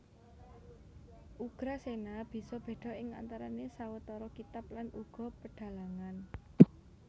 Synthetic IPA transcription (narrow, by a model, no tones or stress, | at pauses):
ʔuɡ̥ɾasenab̥i̤sɔb̥e̤ɖ̪̥ɔ̤ɪŋa̰nt̪aɾanesawət̪ɔɾɔkit̪aplanuɡ̥ɔ̤pəɖ̥ä̤laŋan